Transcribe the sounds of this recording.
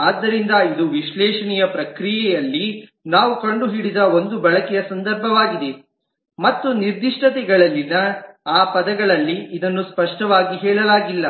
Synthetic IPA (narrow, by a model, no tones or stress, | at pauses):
aːd̪ːɐɾind̪ɐid̪uʋiʃlɛːʂɐnijɐpɾɐkɾijɛjɐlːi | naːʋukɐɳɖuɦiɽid̪ɐond̪ubɛɭɐkɛjɐsɐnd̪ɐɾbʱɐʋaːɡid̪e | mɐt̪ːuniɾd̪ʱiʂʈɐt̪ɛɡɐɭɐlːinːɐaːpɐd̪ɐɡɐɭɐlːiːd̪ɐnːuspɐʂʈɐʋaːɡiɦɛːɭɐlaːɡilːɐ